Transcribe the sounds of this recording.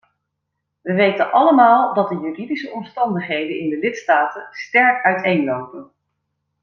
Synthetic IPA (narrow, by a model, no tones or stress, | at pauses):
ʋəʋejtənʔɑləmaːlˠdɑt̚dəjyridisəɔmstɑndəχɦejdənɪndəlɪtstaːtənstɛɹkœɥtejnlowpən